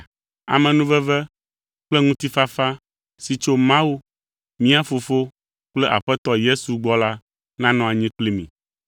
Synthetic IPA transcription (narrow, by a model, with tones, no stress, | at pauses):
a̰˨mɛ̃˨nũ˦vɛ˦vɛ˦ | k͡ple˦ŋũ˦t̪i˦fa˦fa˦ | si˨t͡ʃo˦mã˦wu˦ | mĩ˦a˦fo˨fo˦ | k͡plɛ˦ʔa̰˨ɸɛ˦t̪ɔ˦je˦su˨ɡ͡bɔ˦la˦ | nã˦nɔ̃˨a˨ɲĩ˦k͡pli˦mḭ̃˨